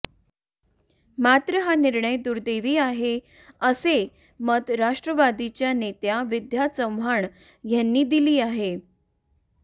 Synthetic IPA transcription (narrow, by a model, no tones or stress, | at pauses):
mat̪ɾəɦaniɾɳəjd̪uɾd̪eʋiːaɦe | əse | məd̪ɾaʂʈɾəʋad̪it͡ɕjanet̪jaʋid̪ʱjat͡səmʋaɳ | janːiːd̪iliːaɦe